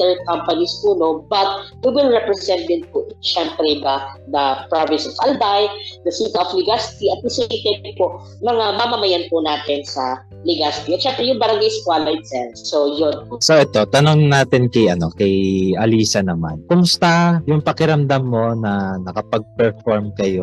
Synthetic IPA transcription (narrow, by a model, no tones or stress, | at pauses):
t̪ɛɹ̚kampɐnispuno̞bɐt̪̚wiwɪlɹɛpɾɛsɛ̃nt̪̚d̪ɪnpʊʃɛmpɾɛd̪ɐd̪ɐpɹavɪ̃nsɔfʔalb̪ajd̪ɐsit̪ɐʔoflɪɡast̪iɐt̪̚bɪsoʃɪt̪ejt̪ɪd̪̚poʔ | mɐŋamamɐmɐjanpʊnaːt̪ɪnsɐ | lɪɡasɪt̪iɐt̪ʃɛmpɾɛjʊŋbɐɾɐŋɡajskwaːlaj̪sɛɾsojonposoʔɛt̪o̞t̪ɐnoŋnaːt̪ɪnkɛjʔɐno̞kɛjʔɐliːsɐnɐma̰nkʊmʊst̪ajʊŋpɐkɪɾɐmd̪amːo̞nɐnɐkɐpɐɡ̚pɛɹfoɹmkɐjo